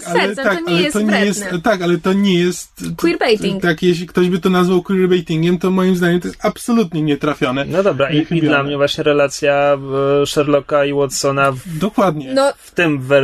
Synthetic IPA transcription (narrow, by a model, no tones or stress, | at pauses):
alɛɛt̪akalɛt̪ɔɲɛjɛst̪t̪akalɛt̪ɔɲɛjɛst̪kwiɾbɛjt̪iŋt̪akjɛɕlʲikt̪ɔʑbɘt̪ɔnazvawkwiɾbɛjt̪iŋɡʲɛmt̪ɔmɔjimzd̪aɲɛmt̪ɔjest̪apsɔlut̪̬ɲɛɲɛt̪ɾafʲjɔnɛnɔd̪ɔbɾaʔixid̪lamɲɛvwaɕɲɛɾɛlat̪sʲja | ʂɛɾlɔkaiwɔt̪sɔnad̪ɔkwad̪ɲɛnɔft̪ɘmvɛ